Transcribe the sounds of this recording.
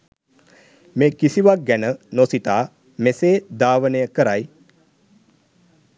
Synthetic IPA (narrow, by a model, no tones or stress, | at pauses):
meːkisiʋak̚ɡænənosit̪aː | meseːd̪aːʋənejəkəɾaj